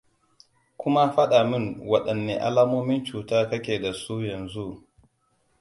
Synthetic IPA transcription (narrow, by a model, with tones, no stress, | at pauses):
kʷʰʊ˦ma˦ɸɐ˦ɗaː˨mɪ˦ŋwɐ˨ɗɐ˨nːḛː˨ʔa̰˦laː˦moː˦mɪ˦nt͡ʃuː˨taː˦kɐ˦kʲeː˨da˨su˦jɐ˨nzu˦ʔ